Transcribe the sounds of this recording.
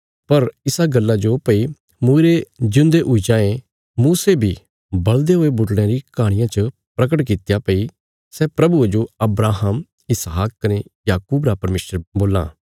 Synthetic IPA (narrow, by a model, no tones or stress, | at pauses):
pɐɾɪsaɡɐlːad͡ʒopɐi | muːiɾed͡ʒɪ̃ʊ̃nd̪eʔʊid͡ʒãːẽ | muːsebʱi | bɐld̪eɦoebʊʈɽ̃jãɾikaːɽ̃ɪjãt͡ʃə | pɾɐk̬əʈkɪt̪japɐi | sɛːpɾɐbud͡ʒoɐbɾaːɦəm | ɪsɦaːkːɐnejaːkuːbɾapɐɾmeːʃəɾboːla̰ː